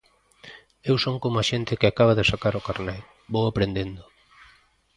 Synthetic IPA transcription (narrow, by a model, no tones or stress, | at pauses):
ewsoŋkomoaʃent̪ɪkɪakaβ̞aðesakaɾʊkaɾnɛl | bowapɾend̪end̪ʊ